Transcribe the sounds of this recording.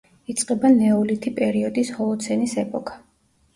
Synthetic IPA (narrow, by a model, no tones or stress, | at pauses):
it̪sʼqʼɛbanɛɔlit̪ʰipʼɛɾiɔd̪ishɔlˠɔt̪sʰɛnisɛpʼɔkʰḁ